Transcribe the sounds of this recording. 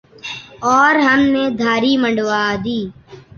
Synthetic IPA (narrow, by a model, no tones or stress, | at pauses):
ɔːɾɦəmneːd̪ʱaːɾiːməɳɖʋaːd̪iː